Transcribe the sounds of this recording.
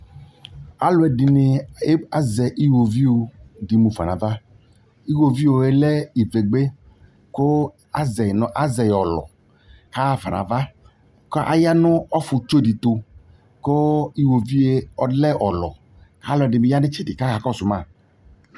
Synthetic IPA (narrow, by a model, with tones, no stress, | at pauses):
a˦lʊ˨ɛ˨dɪ˨nɪ˨e˦a˦zɛ˨ʔi˦wo˨vi˦wo˨di˨mũ˨fa̰˨nã̰˨va˦ | i˦wo˨vi˦wo˨e˦le˦i˨ve˨ɡ͡be˦ | ko˦ | a˦zɛ˨nɔ˦ʔa˦zɛ˨jɔ˨lɔ̰˨ | ka˦va̰˨nã̰˨va˦ | kɔ˦ʔa̰˦ja˦nʊ̃˦ɔ˦fu˨t͡ʃo˦di˨t̪o˨ | ko˦i˦wo˨vi˦e˦ɔ˨˦lɛ˦ʔɔ˨lɔ̰˨ | ka˦lʊ˨ɛ˨dɪ˨mĩ˨ja˦nɪ˦t͡ʃi˦dɪ˨ka˦ka˨kɔ˦˨sʊ˨mã˦˨